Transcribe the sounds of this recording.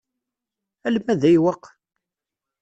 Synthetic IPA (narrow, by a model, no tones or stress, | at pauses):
ælmæðæjwɑqː